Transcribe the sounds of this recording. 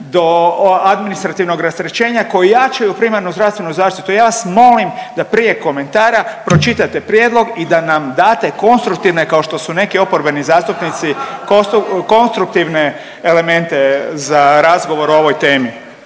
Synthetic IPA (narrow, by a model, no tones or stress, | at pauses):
d̪o̞ad̪minist̪ɾat̪iʋno̞ɡɾast̪ɾet͡ʃe̞ːɲako̞jijat͡ʃajupɾimaɾnuzd̪ɾaʋst̪ʋe̞nuzaːʃt̪it̪ujaːʋasmo̞limd̪apɾije̞ko̞me̞nt̪aːɾapɾo̞t͡ʃit̪at̪e̞pɾje̞d̪lˠo̞ɡid̪anamd̪aːt̪eko̞nst̪ɾuk̚t̪iʋne̞kao̞ʃt̪o̞sune̞kio̞po̞ɾbe̞nizaːst̪upnit̪sikoko̞nst̪ɾuk̚t̪iʋne̞ː | le̞mẽ̞nt̪e̞zaɾazɡo̞ʋo̞ɾuo̞ʋo̞jt̪e̞ːmi